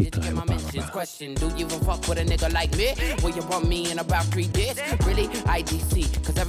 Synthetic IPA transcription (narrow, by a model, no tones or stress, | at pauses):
itʰamamɛ̃nʃkʰwɛst͡ʃɨ̃ndɨjɨvə̃fʌkwəɾɨnɪɡəlaɪk̚miwəjɨbʌ̃nmiɪ̃nəbaʊt̪̚θɹideɪz̥ɹɪlˠiʔaɪdisikʰʌzɛv